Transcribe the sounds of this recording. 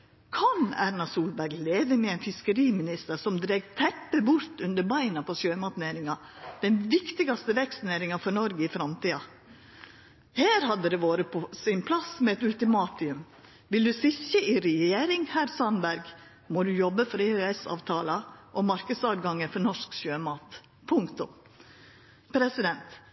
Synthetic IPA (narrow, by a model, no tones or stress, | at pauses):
kʰɑnæɾnɑsuːlbæɾɡleːʋəmɛæɪnfɪskəɾiːmɪnɪst̪əɾsɔmd̪ɾeːɡt̪ʰɛpːəbʊɾt̪ʉnd̪əɾbɑɪnɑpʰɔsøːmɑt̪neːɾɪŋɑd̪̥ɛnʋɪkt̪ɪɡɑst̪əʋɛkst̪neːɾɪŋɑfɔnɔɾɡəɪfɾɑmt̪iːɑ | heːɾhɑd̪ːəd̪ɛʋoːɾəpʰɔsɪnpʰlɑsmɛɛt̪ʉlt̪ɪmɑːt̪ɪʉm | ʋɪld̪ʉsɪçəʔɪɾɛjeːɾɪŋhæːɾsɑnbæɾɡ | mɔd̪ʉjɔbːəfɔɾeøɛsɑ̰ːʋt̪ʰɑːlɑʔɔmɑɾkəd̪sɑːʋɡɑŋːəfɔɾnɔʂksøːmɑːt̪ | pʰʊŋkt̪ʊ | pʰɾɛsɪd̪ɛnt̪